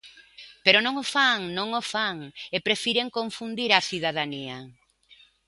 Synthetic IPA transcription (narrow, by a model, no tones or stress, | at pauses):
peɾonõŋofaŋnõŋofaŋepɾefiɾeŋkõɱfund̪iɾaθiðaðania